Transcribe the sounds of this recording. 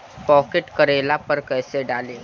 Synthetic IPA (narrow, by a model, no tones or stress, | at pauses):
pɔːkeʈkəɾeːlapɐɾkɛːseɖaːleː